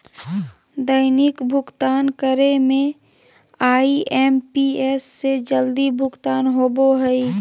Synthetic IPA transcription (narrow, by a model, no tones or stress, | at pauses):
d̪əɪnikbʱʊkt̪aːnkəɾemẽ | aːiʔɛːmpieːsːed͡ʒəld̪ibʱʊkt̪aːnɦoːboɦəi